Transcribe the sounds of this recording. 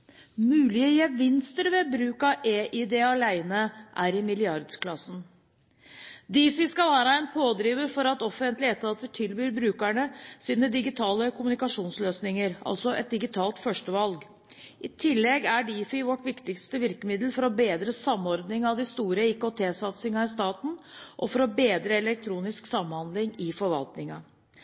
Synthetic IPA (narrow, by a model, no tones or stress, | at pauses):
mʉːlɪəjɛʋɪnst̪əɾʋɛbɾʉːkɑʔeːʔɪd̪eːɑlæɪnəʔæɾɪmɪlɪɑɾd̪kʰlɑsn̩ | d̪iːfɪskɑʋæːɾəɛɪnpʰoːd̪ɾiːʋəɾfɔɾɑt̪ɔfənt̪lɪɛt̪ʰːɑːt̪ət̪ʰɪlbyːɾbɾʉːkæɳəsiːnəd̪ɪɡɪt̪ʰɑːləkʰʊmʉnɪkɑʂuːnsløːsnɪŋəɾɑ̰lsɔʔɛ̰t̪̚d̪ɪɡɪt̪ʰɑːlt̪fœʂʈəʋɑlɡ | ʔɪt̪ʰɪlːɛɡæɖiːfɪʋɔʈʋɪkt̪ɪkst̪əʋɪɾkəmɪd̪l̩fɔɾɔbeːd̪ɾəsɑmɔɾd̪nɪŋɑʋd̪ɪst̪uːɾəɪkot̪ʰeːsɑt̪sɪŋɑɪst̪ɑːt̪n̩ʔɔfɔɾɔbeːd̪ɾəɛlɛk̚t̪ʰɾuːnɪsksɑmhɑnd̪lɪŋɪfɔɾʋɑ̰lt̪nɪŋɑ